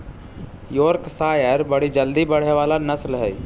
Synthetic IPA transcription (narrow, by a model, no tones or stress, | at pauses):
jɔːɾksaːjəɾbɐɽ̤id͡ʒəld̪ibɐɽ̤eʋaːlanɐslɦɛ̰ː